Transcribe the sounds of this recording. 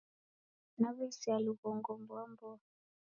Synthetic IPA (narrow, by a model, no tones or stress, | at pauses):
naβɛsialuɣɔŋɡɔmbwambɔa